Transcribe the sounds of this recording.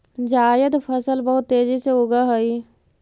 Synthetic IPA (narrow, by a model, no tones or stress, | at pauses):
d͡ʒaːjəd̪pʰəsəlbəɦʊt̪ːeːd͡ʒiseʊɡaɦoi